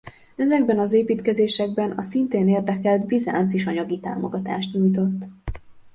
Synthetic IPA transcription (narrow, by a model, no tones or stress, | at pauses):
ɛzɛɡbɛnɒzeːpiːt̪kɛzeːʃɛɡ̚bɛnɒsint̪eːneːrd̪ɛkɛlt̪biza̰ːnt̪siʃɒɲɒɡit̪a̰ːmoɡɒt̪a̰ːʃt̪ɲuːjt̪o̞t̪ː